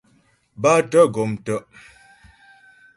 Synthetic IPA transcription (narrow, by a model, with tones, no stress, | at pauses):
ba˦tə˦ɡo˨mtə˦ʔ